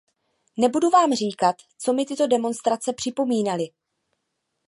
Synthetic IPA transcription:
nɛbuduvaːmr̝iːkat̪ | t͡so̞mɪt̪ɪt̪o̞dɛmo̞nst̪ɾat͡sɛpr̥ɪpo̞miːnalɪ

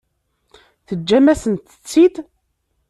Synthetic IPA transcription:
θəd͡ʒːæmæsənt̪ə̥t͡sːid̪

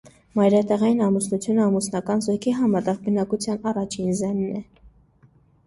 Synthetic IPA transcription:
mɑjɾɑt̪ɛʁɑjinɑmusnut͡sʰjunəɑmusnɑkɑnzɔkʰiɦɑmɑt̪ɛʁbənɑkut͡sʰjɑnɑrɑt͡ʃʰinzɛnːɛ

